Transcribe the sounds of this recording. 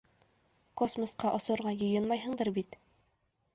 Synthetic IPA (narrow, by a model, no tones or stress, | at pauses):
kosmə̆sqɑʔɒsɤ̆ɾʁɑjɤ̆jɤnmɑjɦɤ̆ɴd̪ɤɾbit̪